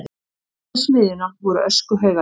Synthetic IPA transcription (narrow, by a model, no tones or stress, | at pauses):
smɪːðɪnavɔɾʏʔœskʏɦœːɣa